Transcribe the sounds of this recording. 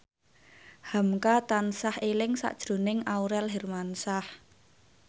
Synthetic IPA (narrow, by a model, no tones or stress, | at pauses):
hamkat̪ansahelɪŋsa̰ʔd̥ʒ̥ɾo̤nɪŋauɾɛlɦɛrmansah